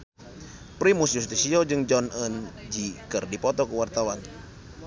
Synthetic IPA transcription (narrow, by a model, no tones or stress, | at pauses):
pɾimusjus̬t̪isiod͡ʒɨŋd͡ʒɔnənd͡ʒikərdipɔt̪ɔkəwart̪awan